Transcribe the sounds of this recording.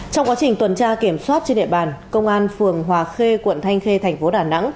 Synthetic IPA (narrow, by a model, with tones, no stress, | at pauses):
t͡ɕɔ˧wŋ͡mkwaː˨˦t͡ɕï˨˩ŋ̟t̪wə˨˩nt͡ɕaː˧ki˧˩əmswaː˦˥t̚t͡ɕe˧nɗḭ˧ə˨ɓaː˨˩nkə˧wŋ͡mʔaː˧nfɨ˨˩əŋɦwaː˨˩xe˧kwə̰˧˨nt̪ʰa˧jŋ̟xe˧t̪ʰɛ˨˩j̟fo˨˦ɗaː˨˩na̰˧˥ŋ